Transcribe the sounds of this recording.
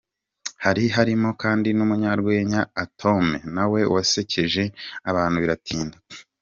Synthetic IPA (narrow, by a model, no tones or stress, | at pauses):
haɾiɦaɾimo̞kaːndinumuɲaɾɡwe̞ːɲaːtʰo̞menawe̞wase̞cʰe̞ʒe̞aβaːn̥huβiɾatʰiːnda